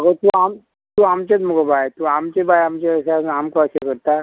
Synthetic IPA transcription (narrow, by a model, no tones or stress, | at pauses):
əɡot̪uam | t̪uamt͡ɕet͡smuɡobajt̪uamt͡ɕebajamt͡ɕeəsaamkɔsekəɾt̪a